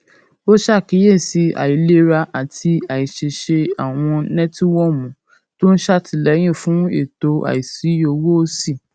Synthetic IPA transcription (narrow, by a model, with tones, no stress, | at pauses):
o˦ʃa˦˨ki˨˦je˦˨si˧˦a̰˨i˨le˦ɾa˧ʔa˨tʰi˧a˨i˨ʃe˧ʃe˧a˨w̃ɔ̃˧nɛ̃˦ti˦wɔ˦˨mũ˨˦ | to˦n̩˦ʃa˦˨tʰi˧lɛ˨˦j̃ĩ˦˨fũ˦e˦˨to˧˦a̰˨i˨si˨˦o˧wo˦o˦si˦˨